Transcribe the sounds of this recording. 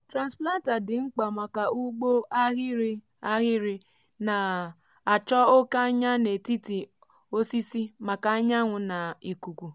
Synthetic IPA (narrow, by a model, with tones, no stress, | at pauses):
tɾa˨nspla˦n˦ta˨dɪ˨ŋ͡m̩˦k͡pa˨ma˨ka˨u˦ɡ͡bo˦a˦ɣɪ˦ɾi˦ | a˦ɣɪ˦ɾɪ˦ | na˨ | a˨t͡ʃɔ˦o˦ka˦ɲa˦ne˨ti˦ti˨ | o˦si˦si˦ma˨ka˨a˦ɲa˦ŋʷʊ˨na˨i˨ku˨kʷu˨